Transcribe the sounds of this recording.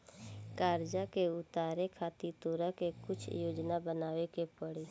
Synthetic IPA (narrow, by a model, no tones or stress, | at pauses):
kaːɾd͡ʒakeʊt̪aːɾekʰaːt̪it̪oːɾakekʊt͡ʃʰjoːd͡ʒnabənaːʋekepəɽiː